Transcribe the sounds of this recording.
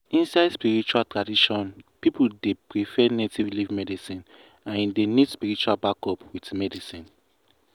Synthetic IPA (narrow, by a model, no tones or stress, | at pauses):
ĩnsaɪdspiɹit͡ʃualtɹadiʃɔ̃npipudepɹifɛnetʰivlivmɛdisĩn | ãndenidspiɹit͡ʃualbakɔpwitmɛdisĩn